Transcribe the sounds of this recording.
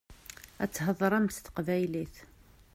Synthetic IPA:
æ̰t͡sːɦəðˤɾˤæmst̪ə̥qvæjliθ

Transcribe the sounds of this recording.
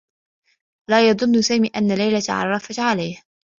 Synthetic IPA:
laːjɑd̪ˤʊnːʊsaːmiːʔanːalajlat̪ʕɑ̰rˤːɑfat̪ʕalajh

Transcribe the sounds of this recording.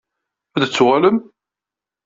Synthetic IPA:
æðət͡sːʁaləm

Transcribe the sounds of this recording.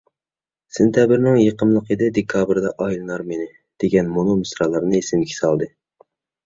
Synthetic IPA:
sɪnt̪ʰjɑbɪɾnɪŋjeqʰəmlˠəqəd̪ɪd̪ekʰɑbɾd̪ɛʔɑjilˠɨnɑɾmenɪ | d̪̥eɡʲɛnmonomɨsɾɑlˠɑɾnɨesɪnkʲʰi̥sɑlˠd̪ɨ

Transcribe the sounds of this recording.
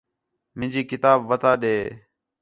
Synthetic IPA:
mɪ̃d͡ʒiːkɪt̪aːbʋət̪ʰaːɗeː

